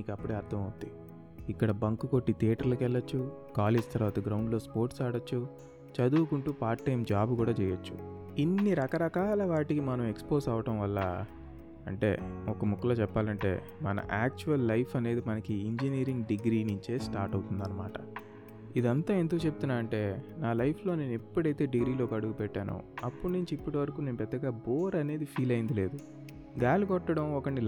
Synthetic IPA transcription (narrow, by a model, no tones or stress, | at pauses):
niːkɐpːuɽeɐɾt̪ʰɐmɐwt̪i | ikːɐɽɐbɐŋkuko̞ʈːit̪iːʈɐɾlukɛɭːɐt͡ʃːukaːleːd͡ʒt̪ɐɾʋaːt̪ɐɡɾɐwɳɖlo̞ːspo̞ːɾʈsaːɽɐt͡ʃːu | t͡ʃɐd̪uːkuɳʈuːpaːɾːɐjmd͡ʒaːbukuːɽaːt͡ʃɛːjɐt͡ʃːu̥̰ | inːiɾɐkɐɾɐkaːlɐʋaːʈikimɐnɐme̞kspo̞ːsɐʋɐʈɐmʋɐlːɐ | ɐ̰ɳʈe̞̰ːɔkɐmukːɐloːt͡ʃɛpːaːlɐɳʈe̞̰ː | mɐnɐ̰ʔaːk̚t͡ʃuʋɐlːɐjpʰɐne̞ːd̪imɐnɐkiiɲd͡ʒiniːɾiŋɡɖiɡɾiːniɲt͡ʃe̞ːsʈaːɾʈɐwt̪und̪ɐnːɐma̰ːʈɐ | id̪iɐnt̪aːend̪uːt͡ʃeb̚ut̪unːaːɾɐɳʈe̞ːnaːlɐjpʰlo̞ːne̞ːnuipːuɽɐjt̪e̞ːɖiɡɾiːlo̞ːkɐɽuɡupɛʈːaːnṵɐpːunuɲt͡ʃiipːuʈiʋɐɾɐkuːne̞ːnupɛd̪ːɐɡaːboːɾɐne̞ːd̪ipʰiːlɐjind̪ile̞ːd̪u | ɡaːluɡɔʈːɐɽɐmɔkɐɳːi